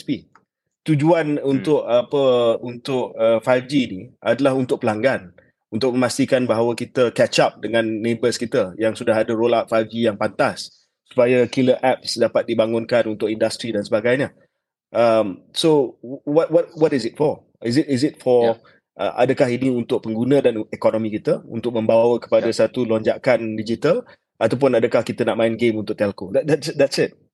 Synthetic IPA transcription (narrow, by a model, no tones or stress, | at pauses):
spi | t̪ud͡ʒuanunt̪ʊʔapəunt̪ʊʔ̚əfajfd͡ʒiːniadalaɦunt̪ʊk̚pəlaŋɡan | unt̪ʊk̚mə̃mast̪ikanbaɦawakit̪əkɛt͡ʃap̚dəŋãnːebəskit̪əjaŋsudaɦadəɾolat̪̚fajfd͡ʒijaŋpant̪asː | u̥pajakiləʔɛp̚sdapat̪̚dibaŋʊnkanunt̪ʊkindast̪ɾidansəbaɡajɲə | ʔəmsowɔt̚wt̚wɔtisɪt̚fɔ | isɪtɪsɪt̚fɔ | ʔə̰ʔa̰dəkahiniunt̪ʊk̚pəŋɡunə̃danɛkɔnomĩkit̪əṵnt̪ʊk̚mə̃mbawəkə̥pajdəsat̪ulɔɲd͡ʒakandid͡ʒit̪al | at̪awp̬ʊnadəkahkit̪ənaʔmãɪnɡemunt̪ʊk̚t̪ɛlkod̪dɛtsd̪ɛtsɪt̚